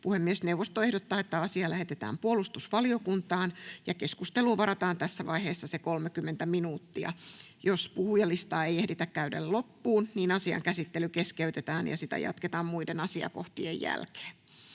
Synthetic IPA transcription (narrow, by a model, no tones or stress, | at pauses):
puhemːiesnewʋost̪oehdot̪ːɑːet̪ːæɑsiɑlæhet̪et̪æ̰ːmpuolust̪usʋɑlio̞kunt̪ɑːnjɑke̞skust̪eluːʋɑɾɑt̪ɑːnt̪æsːæʋɑiheːsːɑsekolmekymːent̪æminuːt̪ːiɑ̰jospuhujɑlist̪ɑːejehdit̪ækkæydḛllopːuːnniːnɑsiɑ̰ŋkæsit̪ːelykeskeyt̪et̪æːnjɑ̰sit̪æ̰jɑ̰t̪ket̪ɑːmmuidenɑsiɑ̰ko̰ht̪iḛjjæ̰lke̥ː